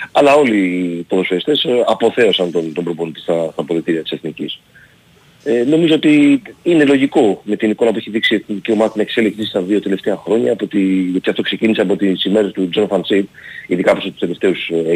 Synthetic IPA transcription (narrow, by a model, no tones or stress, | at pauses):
ɐlɐo̞lip̪oðosfiɐist̪e̞sɐpo̞θe̞o̞sɐnt̪ont̪o̞mbɾopont̪ist̪ɐst̪ɐpoðet̪iɾiɐt̪i̥seθnicis | eno̞mizoot̪iine̞lo̞ʝiko̞me̞t̪iniko̞nɐpueçiðiksieciomɐðɐt̪ine̞kse̞liksist̪ɐðio̞t̪e̞left̪e̞ɐxɾo̞ɲɐːpot̪iot̪iɐft̪o̞kse̞ciniseɐpot̪isime̞ɾest̪ud͡zo̞nfɐnsid̪iðikɐposot̪ust̪ele̞ft̪e̞us